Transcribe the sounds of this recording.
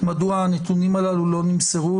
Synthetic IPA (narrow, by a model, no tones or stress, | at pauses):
mad̪uaːnet̪unimalalulo̞nimseʁu